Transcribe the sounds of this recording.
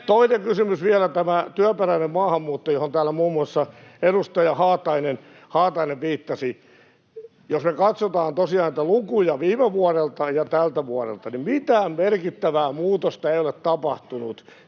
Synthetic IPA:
t̪oineŋkysymysʋiælæt̪æmæt̪yæperæinemmɑːhɑmːuːt̪ːojohont̪æːlːæmuːmːuɑsːɑeɾust̪ɑjɑhɑːt̪ɑinen | hɑːt̪ɑineʋʋiːt̪ːɑsi | josmekɑt̪sot̪ɑːnt̪osiɑːnit̪ælukujɑʋiːmeʋuɑrelt̪ɑjɑt̪ælt̪æʋuɔrḛlt̪ɑnimmit̪æːmmerkit̪ːæʋæːmuːt̪ost̪ɑeiolett̪ɑpɑht̪unut̪

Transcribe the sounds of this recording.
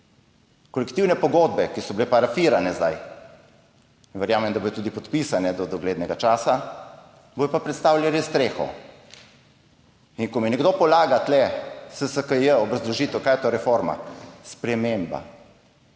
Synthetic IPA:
kɔlɛkt̪iwnɛpɔɡoːd̪̚bɛkisɔblepaɾafiːɾanɛzd̪a̰j | nʋɛɾjaːmɛmd̪aboːjɔt̪uːd̪ipɔt̪pisanɛd̪ɔd̪ɔɡleːd̪nɛɡat͡ʃaːsa | boːjɔpapɾɛt̪st̪aːwlʲjalist̪ɾeːxɔ̰ | iŋkɔminɛɡd̪opɔlaːɡat̪lɛsəsəkəjəɔbɾazd̪lɔʒiːt̪wkajɛt̪oːɾɛfoɾma̰spɾɛmemba̰

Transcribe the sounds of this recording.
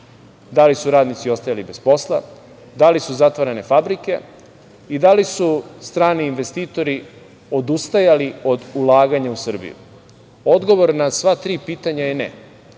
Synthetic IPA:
d̪alisuɾaːd̪nit̪sio̞st̪ajalibe̞spo̞slˠa | d̪alisuzat̪ʋaɾane̞fabɾike̞̰ | id̪alisust̪ɾaːniːnʋe̞st̪iːt̪o̞ɾi | o̞d̪ust̪ajalio̞d̪ulˠaːɡaɲausr̩bḭjṵ | o̞d̪ɡo̞ʋo̞ɾnasʋat̪ɾiːpiːt̪aɲajenḛ

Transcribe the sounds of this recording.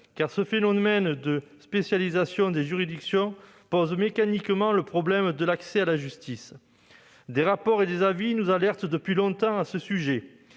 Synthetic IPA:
kaʁsəfenɔmɛnd̪əspesjalizasjɔ̃d̪eʒyʁid̪iksjɔ̃ | pɔzmekanikmɑ̃ləpχɔblɛmd̪əlaksealaʒyst̪is | d̪eʁapɔʁed̪ezavinuzalɛʁt̪d̪əpɥilɔ̃t̪ɑ̃asəsyʒe

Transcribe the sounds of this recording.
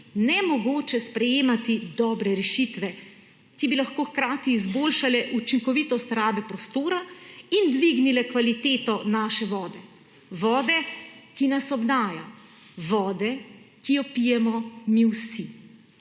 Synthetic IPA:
nɛmɔɡoːt͡ʃɛspɾɛjeːmat̪id̪ɔːbɾɛɾɛʃit̪ʋɛ | kibilaxkoːxkɾaːt̪iːzboːlʃalɛʔut͡ʃiŋkɔʋit̪ɔst̪ɾaːbɛpɾɔst̪oːɾaind̪ʋiɡnilɛkʋalit̪eːt̪ɔnaːʃɛʋɔːd̪ɛ | ʋɔːd̪ɛkinasɔbd̪aːja̰ | ʋɔːd̪ɛkijɔpijɛmɔmiwsi

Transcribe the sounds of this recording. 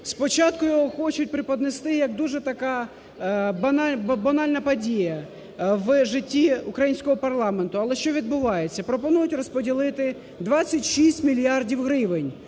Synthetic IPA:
spɔt͡ʃɑt̪kʊjɔɦɔxɔt͡ʃʊt̚ʲpɾɪpɔd̪nest̪ɪjɐkd̪uʒɛt̪ɐkɑ | bɐnbɐnɑlʲnɐpɐdʲijɐ | ʋʒɪtʲːiukɾɐjinʲsʲkɔɦɔpɐrlˠɑment̪ʊɐlˠɛʃt͡ʃɔʋʲid̪̚bʊʋɑjet͡sʲːɐpɾɔpɔnujʊtʲrɔspɔdʲilˠɪt̪ɪ | d̪ʋɑt͡sʲːɐtʲʃisʲtʲmʲilʲijɑrdʲiwɦɾɪʋɪnʲ

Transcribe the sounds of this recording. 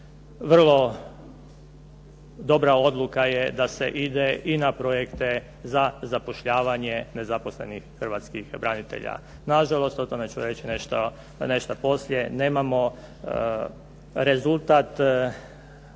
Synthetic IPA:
ʋr̩lˠo̞ | d̪o̞bɾao̞d̪lˠukajed̪asḛʔid̪e̞ʔinapɾo̞jekt̪e̞ | zazapo̞ʃʎaːʋaɲene̞zapo̞sle̞̰nixːr̩ʋat̪skixbɾanit̪ḛʎa̰ | naʒalˠo̞st̪ot̪o̞met͡ɕuɾe̞t͡ɕineʃt̪o | ne̞ʃt̪apo̞sljeneːmamo̞ | ɾe̞zulˠt̪at̪

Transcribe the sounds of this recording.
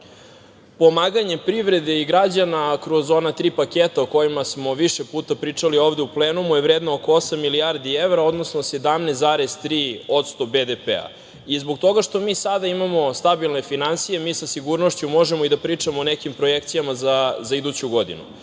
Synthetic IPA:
po̞maːɡaɲe̞pɾiʋɾe̞d̪e̞iɡɾad͡ʑanakɾo̞zo̞nat̪ɾiːpaket̪aoko̞jimasmo̞ʋiʃepuːt̪apɾiːt͡ʂalioːvd̪eupleːnumujevɾeːd̪nooko̞osamːilijaɾd̪ievɾao̞d̪no̞sno̞se̞d̪amnezaɾest̪ɾiːo̞t̪st̪o̞bed̪epḛa̰ | izbokt̪o̞ɡaʃt̪o̞miːsad̪aimamo̞st̪abilˠne̞finansije̞miːsasiɡuɾno̞ʃt͡ɕumo̞ʒemoid̪apɾiːt͡ʂamoːnekimpɾojekt̪sijamazazaid̪ut͡ɕuɡo̞d̪ḭnṵ

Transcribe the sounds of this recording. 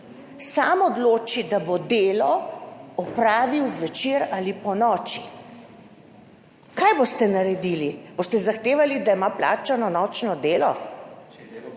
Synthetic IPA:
samɔd̪loːt͡ʃid̪abod̪eːlɔɔpɾaːʋiwzʋɛt͡ʃiːɾalipɔnɔːt͡ʃi | kaːjbost̪ɛnaɾɛd̪ilib̥oːst̪ɛzaxt̪eːʋalid̪aimapla̰ːt͡ʃanɔnɔt͡ʃnɔd̪eːlɔ

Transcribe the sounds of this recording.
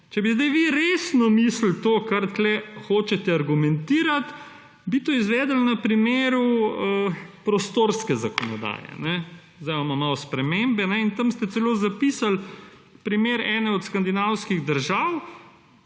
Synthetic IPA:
t͡ʃɛbizd̪ɛjʋiɾeːsnɔmiːsl̩t̪oːkaɾt̪lɛxoːt͡ʃɛt̪ɛaɾɡumɛnt̪iːɾat̪ | bit̪oːizʋɛːd̪əlnɐpɾimeːɾuəpɾɔst̪oːɾskɛzakɔnɔd̪a̰ːjɛ̰nɛ | zd̪ɛjamamawspɾɛmembɛnɛint̪ɐmst̪ɛt̪sɛloːzapisal | pɾimeːɾɛːnɛɔt̪skand̪inawskiɣd̪əɾʒaːw

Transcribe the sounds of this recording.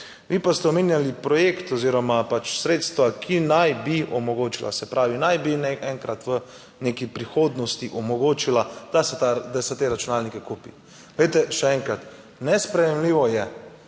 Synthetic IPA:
ʋiːpast̪ɛɔmeːnjalipɾɔjekt̪ɔziːɾɔmapat͡ʃsɾeːt̪st̪ʋakʰinajbiʔɔmɔɡoːt͡ʃila̰sɛpɾaːʋinajbinɛɛŋkɾat̪ʋə | nekipɾixoːd̪nɔst̪iʔɔmɔɡoːt͡ʃilad̪̥asɛt̪ad̪asɛt̪eɾat͡ʃunaːlnikɛkuːpi | ɡ̥lɛjt̪ɛʃɛɛŋkɾat̪ | nɛspɾɛjɛmliːʋɔjɛ

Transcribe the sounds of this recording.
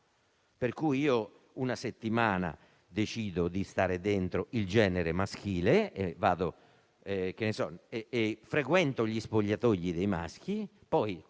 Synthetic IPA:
peɾkujiːo | unaset̪ːimaːna̰ | d̪et͡ʃiːd̪od̪ist̪aːɾed̪ent̪ɾoild͡ʒɛːneɾemask̟iːleevːa̰ːd̪o | ɛk̟enesɔeːfɾekwɛnt̪oʎispoʎːat̪oʎːid̪ejma̰sk̟i | pɔj

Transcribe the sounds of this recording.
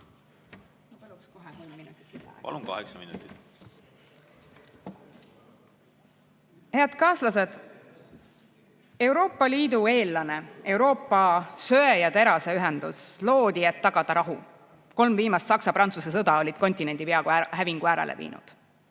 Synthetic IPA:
nɑpɑlukskoɦekulmminut̪ːˑi̥t̪ːpɑ̰lumkɑ̰hḛksɑminut̪ːˑit̪ | heɑd̪̥kɑːslɑse̞d̪̥ | e̞uwɾo̞ːpːˑɑliːd̪̥ue̞ːlːɑne̞e̞wɾo̞ːpːˑɑsø̞ejɑt̪e̞ɾɑseyɦend̪̥uslo̞ːd̪̥ie̞t̪ːɑɡ̥ɑd̪̥ɑɾɑɦu | ko̞lmviːmɑst̪sɑksɑpɾɑnt̪susesɤd̪ɑo̞lʲid̪̥ko̞nʲt̪ʲine̞nd̪̥ipeɑɡhæviŋɡ̥uæːɾḛlʔḛvḭːnṵd̪̥

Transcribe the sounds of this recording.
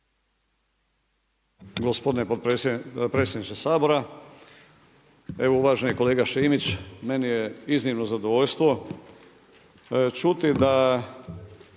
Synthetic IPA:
ɡospo̞d̪inepot̪esepɾe̞ːtsjed̪nit͡ʃ̪esaːbo̞ɾa | e̞ʋouʋaːʒeniko̞le̞ːɡaʃiːmit͡ɕme̞nijeiznimnozad̪oʋoʎst̪ʋo̞ | t͡ʃut̪id̪a

